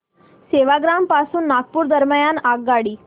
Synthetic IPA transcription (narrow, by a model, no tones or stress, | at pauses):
seʋaɡɾampasuːnːaɡ̚puːɾd̪əɾməjanaɡːaɽiː